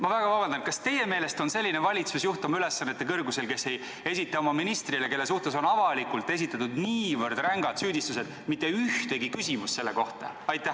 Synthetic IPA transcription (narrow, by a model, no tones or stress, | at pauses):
mɑvæɡ̥ɑvɑbɑnd̪ɑnkɑst̪e̞je̞meːle̞st̪o̞nse̞lʲːinevɑlʲit̪susjuht̪umylesːɑnːet̪ːe̞kɤrɡuse̞lke̞sːej | e̞sʲit̪ːˑɑo̞mɑminist̪rile̞ke̞lːe̞suht̪e̞so̞nɑvɑlikˑult̪ˑːe̞s̬it̪ːˑɑt̪ud̪niːvɤrd̪̥ræŋɡ̥ɑd̪̥syːd̪ist̪use̞d̪̥ | mit̪ːˑe̞yht̪e̞ɡikysimust̪se̞lːe̞ko̞ht̪ɑ̰ɑjt̪ːˑæh